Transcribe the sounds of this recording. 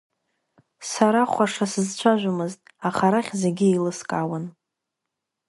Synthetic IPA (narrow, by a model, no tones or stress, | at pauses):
saɾaχʷaʂasɨzt͡ɕʷʰaʒᶣʷamɨztʼaχaɾaχʲze̞ɡʲɪelɨskʼawan